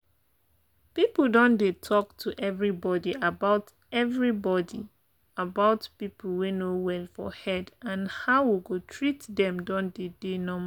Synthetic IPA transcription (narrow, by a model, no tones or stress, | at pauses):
pipəl̩ˠdɔ̃ndetʰɔktʰuʔɛvɹibɔdiabaʊt | ɛvɹibɔdi | abaʊtpipl̩wunowɛlfɔ̰hɛdãnhaʊwiɡotʰɹitdɛ̃mdɔ̃ndedenɔm